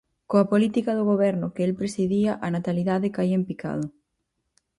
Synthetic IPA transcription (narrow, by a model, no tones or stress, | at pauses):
koapolit̪ikað̞oɣoβ̞eɾnokeelpɾesiðiaʔanat̪aliðaðekaiempika̰ð̞o